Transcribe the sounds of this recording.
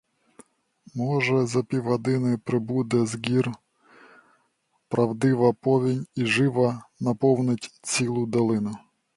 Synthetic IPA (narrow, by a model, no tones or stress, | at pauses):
mɔʒɛzɐpʲiwɦɔd̪ɪnɪpɾɪbud̪ɛzɡʲir | pɾɐwd̪ɪʋɐpɔʋʲinʲiʒɪʋɐnɐpɔwnɪtʲt͡sʲilˠʊd̪ɐlˠɪnʊ